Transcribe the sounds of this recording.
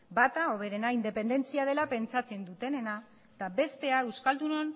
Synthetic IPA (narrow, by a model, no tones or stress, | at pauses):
bat̪ao̞β̞e̞ɾe̞naind̪e̞pe̞nd̪e̞nt͡siað̞e̞lape̞nt͡sat͡se̞nd̪ut̪e̞ne̞na | t̪abe̞st̪e̞aewskald̪unon